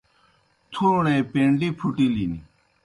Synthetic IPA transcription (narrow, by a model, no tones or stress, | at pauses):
t̪ʰuɳeːpẽːɳɖiːpʰuʈiːliːni